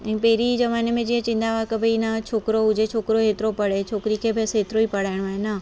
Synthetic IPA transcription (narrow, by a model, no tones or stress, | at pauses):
ɛ̃peɦɪɾizɐʋaːnemẽd͡ʒiɦẽt͡ʃɪ̃nd̪aʋakɐbʱinat͡ʃʰoːkɾoʊd͡ʒʱet͡ʃʰoːkɾoɦeːt̪ɪɾopɐɽ̤et͡ʃʰoːkɾikʰebʱesɦeːt̪ɪɾoipɐɽ̤aːɪɽ̃oaːɦena